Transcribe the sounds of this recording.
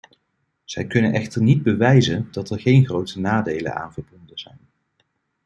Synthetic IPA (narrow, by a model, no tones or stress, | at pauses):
z̥ɛjkɵnənʔɛχtəɹnid̚bəʋɛjzənd̥ɑtɛɹχejnχrowtənaːdejlə̰na̰ːnvəɹbɔndəz̥ɛjn